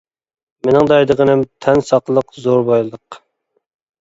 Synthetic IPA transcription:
menɪŋd̪ɑjd̪əʁənɪmt̪ʰɛnsɑqlˠəqzoɾbojlˠɨlˠəq

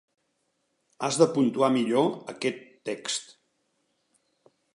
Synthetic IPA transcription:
azðəpunt̪uamiʎoəkɛt̪ːɛkst̪

